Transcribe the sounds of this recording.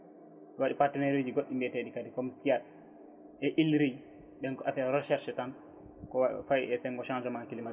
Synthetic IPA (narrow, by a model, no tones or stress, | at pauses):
ɗɔwaɗipaɾtɛnɛɾed͡ʒiɡoɗːimbɛteɗikadikɔmsijat̚ | ʔɛʔilɾij | ɓɛŋafɛɾɔʃɛɾʃɛtan | kɔfajɛsɛŋɡɔʃand͡ʒɛmankilima